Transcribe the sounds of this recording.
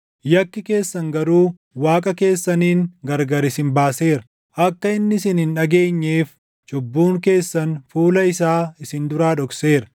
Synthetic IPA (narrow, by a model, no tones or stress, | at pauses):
jɐkːɪke̞ːsːɐŋɡɐɾuː | waːkʼɐke̞ːsːɐniːŋɡɐɾɡɐɾɪsɪnbaːse̞ːɾɐ̥ | ʔɐkːɐɪnːɪɪsɪnɪnᶑɐɡe̞ːɲːeːf | t͡ʃɔbːuːŋke̞ːsːɐnfuːlɐɪsaːɪsɪnd̪ʊɾaːᶑɔkse̞ːɾɐ̥